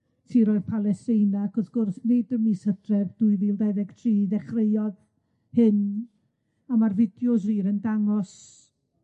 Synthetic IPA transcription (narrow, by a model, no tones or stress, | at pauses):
tʰiːɾɔːɨðpʰalˠɛstɪjnaɡɔðɡ̥ʊrsnedəmisəθrɛbd̥uɨðiːlˠdɛðɛɡ̥tʰriːðɛχrejɔð | hɨn | amarvɪdjʊs̬riːɾəndaŋɔs